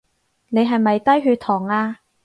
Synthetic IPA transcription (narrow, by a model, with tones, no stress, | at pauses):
ne˨˧jɦɐ˨jmɐ˨jt̪ɐ˥jɦyː˧t̪ʰɔː˨˩ŋaː˧